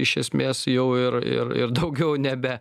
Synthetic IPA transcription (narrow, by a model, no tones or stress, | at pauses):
ɪʃʲɛsʲmʲeːsjɛʊɪɾɪ̰rɪ̰ɾd̪ɐʊɡʲɛʊnʲɛbʲɛ